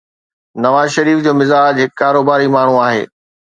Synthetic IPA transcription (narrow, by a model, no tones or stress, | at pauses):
nɐʋaːzʃɐɾiːfd͡ʑoːmɪzaːd͡ʑɦɪkkaːɾoːbaːɾimaːɳ̤ũaːɦḛː